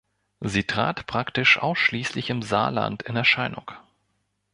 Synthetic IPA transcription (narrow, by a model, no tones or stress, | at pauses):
ziːtʁ̥a̰ːtpʁ̥aktɪʃʔa̰ʊsʃliːslɪçɪmza̰ːla̰ntʰɪnɛɐʃaɪnʊ̰ŋk